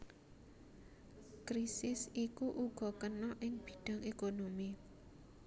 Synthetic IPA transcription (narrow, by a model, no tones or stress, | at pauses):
kɾisɪsikuʔuɡ̥ɔ̤kənɔʔɪŋb̥i̥̤ɖ̥a̤ŋekonomi